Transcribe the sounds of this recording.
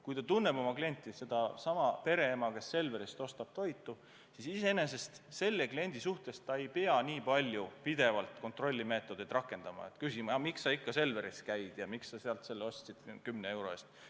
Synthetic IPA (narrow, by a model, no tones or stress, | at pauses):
kujt̪ɑt̪unːe̞bo̞mɑklie̞nʲt̪ːˑise̞d̪̥ɑsɑmɑpe̞ɾe̞emɑke̞sːe̞lve̞ɾist̪o̞st̪ɑb̥̚t̪o̞jt̪ːˑu | sisiseene̞s̬e̞st̪se̞lːeklie̞nʲd̪isuht̪e̞st̪ːɑe̞jpeɑniːpɑlʲːjupid̪̥e̞vɑlt̪ko̞nt̪ro̞lʲːime̞ːt̪ːˑo̞d̪̥ed̪rɑkːˑe̞nd̪̥ɑmɑ̰ḛt̪kysimɑmiksːɑikːɑse̞lve̞ɾiskæjd̪̥jɑmiksɑseɑlt̪se̞lːeo̞st̪sid̪̥kymneewɾo̞est̪